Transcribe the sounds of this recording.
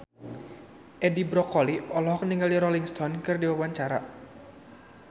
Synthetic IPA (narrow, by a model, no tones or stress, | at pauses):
ʔɛdibɾɔkɔliʔɔlɔɦɔkniŋaliɾɔliŋst̪ɔnkɨrdiwawaɲt͡ʃaɾa